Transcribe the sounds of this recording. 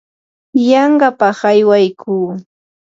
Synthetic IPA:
jɑɴɢɑpɑχajwajkʰuː

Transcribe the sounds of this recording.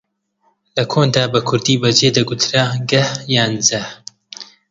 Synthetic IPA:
lɐkʰoːnd̪aːbɐkʰʊɾd̪iːbɐd͡ʒed̪ɐɡut̪ʰɾaɡɐhjaːnzɐh

